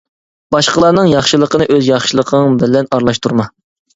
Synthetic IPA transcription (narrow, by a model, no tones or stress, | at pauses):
b̥ɑʃqəlˠɑɾnɨŋjɑχʃɨlˠəqʰənɨʔøzjɑχʃɨlˠəqʰəbɪlɛnɑɾlˠɑʃt̪ʰuɾmɑ